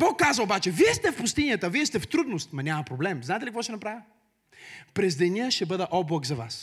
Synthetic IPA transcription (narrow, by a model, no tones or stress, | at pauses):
bɔkːazəobat͡ʃɛviɛst̪ɛfpʊst̪inijət̪əviɛst̪ɛft̪ɾud̪nost̪mɐnʲamɐpɾoblɛmzaɛt̪ɛlikvɔʃt̪ɛnɐpɾavʲə | pɾɛzd̪ɛnʲiəʃt̪ɛbɤd̪əʔɔblˠɐkzɐva̰s